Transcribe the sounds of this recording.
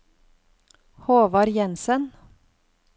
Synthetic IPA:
hoːʋɑɾjɛnsən

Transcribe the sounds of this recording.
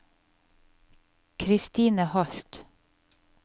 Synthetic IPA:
kʰɾɪst̪iːnəhɔɬt̪

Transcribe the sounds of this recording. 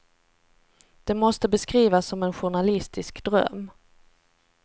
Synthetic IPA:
d̪̥ɛmɔst̪əbɛskɾiːvasːɔmɛnɧʊɳalɪst̪ɪskd̪ɾœ̰mː

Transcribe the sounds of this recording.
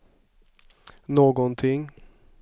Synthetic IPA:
noːɡɔnt̪ʰɪŋ

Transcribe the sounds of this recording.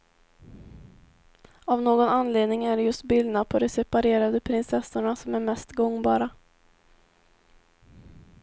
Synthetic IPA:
avnoːɡɔnanːleːd̪nɪŋæɖɛjɵst̪̚bɪld̪napʰɔd̪ɛsɛpaɾeːɾad̪əpʰɾɪnsɛsːʊɳasɔmæɾmɛst̪ɡɔŋːbɑːɾa

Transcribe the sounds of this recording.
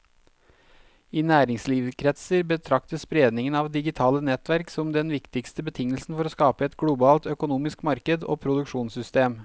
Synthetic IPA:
iːnæːɾɪŋsliːʋkʰɾɛt̪səɾbət̪ʰɾɑkt̪əspɾeːd̪nɪŋənɑːʋd̪ɪɡɪt̪ʰɑːlənɛt̪ʋæɾksɔmd̪ɛnʋɪkt̪ɪkst̪əbət̪ʰɪŋːəlsn̩fɔɾoːskɑːpəɛt̪ɡɽʊbɑːlt̪œkʊnuːmɪskmɑɾkəd̪o̰ːpʰɾʊd̪ʉkʂuːnsʏst̪eːm

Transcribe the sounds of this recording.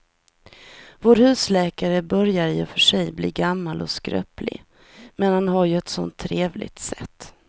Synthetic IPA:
voːɾhʉ̟ːslɛːkaɾəbœɾjaɾjɵfœʂɛjblḭːɡamːalɔskɾœ̰ːplɪ̰ | mɛnhanɦaɾjɵɛt̪sɔ̰nt̪ʰːɾeːvlɪ̰ɡt̪sɛt̪ː

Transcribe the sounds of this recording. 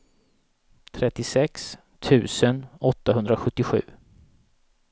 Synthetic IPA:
t̪ʰɾɛt̪ːɪsɛks | t̪ʰʉ̟ːsənɔt̪ːaɦɵnd̪ɾaɧɵt̪ːɪɧʉ̟̰ː

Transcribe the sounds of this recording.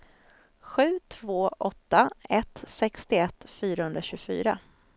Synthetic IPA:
ɧʉ̟ːt̪ʰvoːʔɔt̪ːaɛt̪sɛkst̪ɪɛt̪ːfyːɾahɵnd̪ɾaɕɵːɡfy̰ːɾa̰

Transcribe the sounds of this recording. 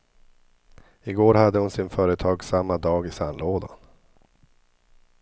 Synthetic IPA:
ɪɡoːɾhad̪ːəhʊnsɪnfœːɾət̪ʰɑːɡsamːad̪ɑːɡɪsanloːd̪a̰n

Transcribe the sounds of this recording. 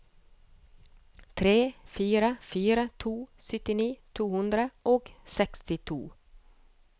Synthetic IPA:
t̪ʰɾeːfyːɾafyːɾat̪ʰuːsʏt̪ːɪniːt̪ʰuːhɵnd̪ɾaʔɔksɛkst̪ɪt̪ʰṵː

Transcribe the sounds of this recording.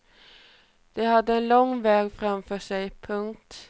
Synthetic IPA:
d̪̥ɛɦad̪ːəɛnlɔŋːvɛːɡfɾamfœːʂɛjpʰɵŋkt̪

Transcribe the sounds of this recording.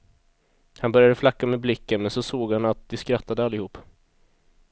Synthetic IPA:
hanbœɾjad̪əflakːamɛːblɪkːənmɛnsɔsoːɡhanat̪̚d̪ɪskɾat̪ːad̪əalːɪhuːpː

